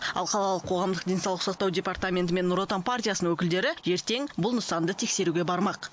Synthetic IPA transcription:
ɑ̰lˠqʰɑlˠɑlˠəqʰo̞ʁɑmd̪əq̚d̪ʲe̞jnsɑwlˠəqʊsɑqt̪ɑwdʲe̞paɾt̪amʲe̞nt̪əme̞nːuɾo̞t̪anpartʲijasəəwɵkʲɪld̪e̞ɾɪe̞ɾt̪e̞ŋbʊlˠnəsɑnd̪ət̪ʰe̞kse̞ɾuɡʲe̞bɑɾmɑq

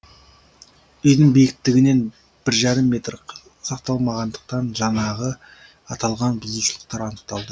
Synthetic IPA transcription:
ʏjd̪əɴbijkʲɪt̪ːɪɡʲɪne̞n | b̥ɪɾʒɑɾəmːe̞t̪r | sɑqt̪ɑlˠmɑʁɑnd̪əq̚t̪ɑnʒɑnɑʁə | ɑt̪ɑlˠʁɑnbʊzuʃəlˠəq̚t̪ɑɾɑnəq̚t̪ɑlˠd̪ə

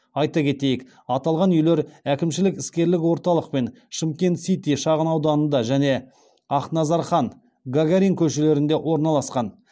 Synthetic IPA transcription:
ɑjt̪ɑkʲʰe̞t̪e̞jɪk | ɑt̪ɑlˠʁɑnʏjle̞ɾækʲɪmʃɪlɪkɪskʲe̞ɾlɪkwo̞ɾt̪ɑlˠəq̚pe̞n | ʃɪmkʲe̞nt̪sit̪iʃɑʁənɑwd̪ɑnənd̪ɑʒæne̞ | ɑqnɑzɑɾχɑn | ɡaɡʲaɾiŋkʲʰɵʃele̞ɾɪnd̪e̞ʔwʔo̞ɾnɑlˠɑsqɑn

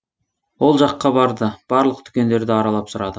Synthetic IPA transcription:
wo̞lˠʒɑqːɑbɑɾd̪əb̥ɑɾlˠəq̚t̪ʰʏ̥kʲe̞nd̪e̞ɾd̪ɪɑɾɑlˠɑpsʊɾɑd̪ə

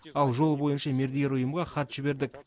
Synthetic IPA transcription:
ɑlˠʒo̞lˠbo̞jənʃɑme̞ɾd̪eɡʲeɾʊjəmʁɑχɑt̪ʒ̥ɪbe̞ɾd̪ɪk

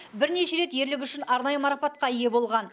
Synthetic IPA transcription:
bɪɾne̞ʃe̞ɾe̞t̪je̞ɾlɪk̬ʲʏʃɪnɑɾnɑjəmɑɾɑpɑt̪̚qɑije̞bo̞lˠʁɑn

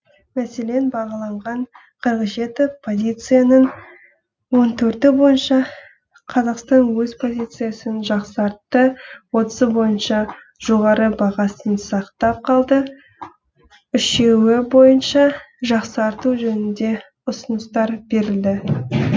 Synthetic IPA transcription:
mæse̞le̞nbɑʁɑlˠɑɴʁɑɴ | qʰəɾqəʒe̞t̪ɪpʰo̞zʲijt̪sɨjanəɴ | wont̪ʰɵɾt̪ɪbo̞jənʃɑ | qʰɑzɑqst̪ɑnwɵzpʰo̞zʲijt̪sɨjasənʒɑqsɑɾt̪ːəwo̞t̪ə̥zəbo̞jənʃɑ | ʒ̥o̞ʁɑɾəbɑʁɑsənsɑqt̪ɑp̚qʰɑlˠd̪ə | ʏʃe̞wɪbo̞jənʃɑ | ʒɑqsɑɾt̪uʒɵnɪnd̪e̞ | ʊsənəst̪ɑɾbe̞ɾɪld̪ɪ

